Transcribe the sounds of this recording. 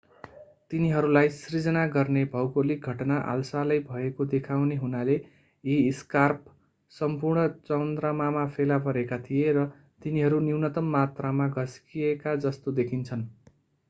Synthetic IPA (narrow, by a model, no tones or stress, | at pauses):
t̪iniɦʌɾulajsrid͡zʌnaɡʌrnebʱʌwkolik̚ɡʱʌʈnaʔa̰lsalajbʱʌekod̪ekʰawneɦunale | iːskarp | sʌmpurɳʌt͡sʌwnd̪ramamapʰelapʌɾekat̪ʰijerʌ | t̪iniɦʌɾuniwnʌt̪ʌmːat̪ramaɡʱʌskiekad͡zʌst̪od̪ekʰint͡sʰʌn